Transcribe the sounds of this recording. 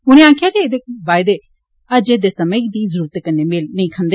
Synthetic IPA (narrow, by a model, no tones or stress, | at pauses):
ɦʊñẽːaːkʰjaːd͡ʒeeːd̪eːbaːjd̪eː | əd͡ʒeːd̪eːsəməid̪iːzəɾuːɾət̪ekənːeːmelnəĩːkʰə̃nd̪eː